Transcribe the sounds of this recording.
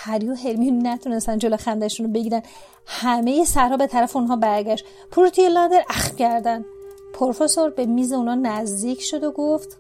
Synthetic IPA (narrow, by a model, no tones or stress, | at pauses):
hæɾjoɦelmijunnːæt̪ʰune̞st̪ænd͡ʒoloxænd̪æʃunobe̞ɟiɾænd̪ | hæme̞jesæɾhɒːbe̞t̪ʰæɾæfeunɦɒːbæɾɟʲæʃt̪ | pʰuɾt̪ʰujelɒd̪eɾʔæxfcʰæɾd̪ænd̪ | pʰoɾfesoɾbe̞miːze̞unɒːnæzd̪iːcʰʃo̞d̪oɡoft̪